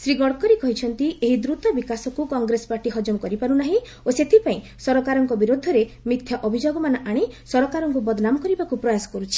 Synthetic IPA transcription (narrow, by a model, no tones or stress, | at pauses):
sɾiɡɔɽkɔɾikɔɦit͡ʃʰɔnt̪ieɦid̪ɾut̪ɔbikasɔkukɔŋɡɾespaɾʈiɦɔd͡ʒɔmkɔɾipaɾunaɦĩ | oset̪ʰipaĩ | sɔɾɔkaɾɔŋkɔbiɾod̪ʱːɔɾe | mit̪ʰjɔʔɔbʱid͡ʒoɡɔmanɔʔaɽ̃isɔɾɔkaɾɔŋkubɔd̪namɔkɔɾibakupɾɔjasɔ̥kɔɾut͡ʃʰi̥